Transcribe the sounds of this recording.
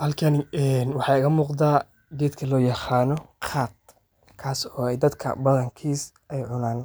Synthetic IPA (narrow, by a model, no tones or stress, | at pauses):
hɐlkʰɐnɛnwɑħɑːɪɣɐmuːqd̪aː | ɡɛːd̪kʰɐlɔːjɑqaːnɔqʰaːd̪̚ | kʰaːsɔːɛjd̪ɐd̪kʰɐ̰bɐðɐŋkʰiːs | ɛjʕʊnaːn